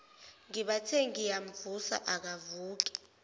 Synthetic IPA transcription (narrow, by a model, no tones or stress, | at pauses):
ŋiɓatʰɛŋijam̩vusa̰ʔak̬avuːk̬ɛ̥